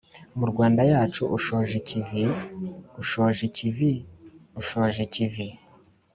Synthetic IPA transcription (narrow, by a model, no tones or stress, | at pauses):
muɾɡwaːndajaːt͡ʃuʔuʃoʒicivi | uʃoʒiciviuʃo̞ʒicivi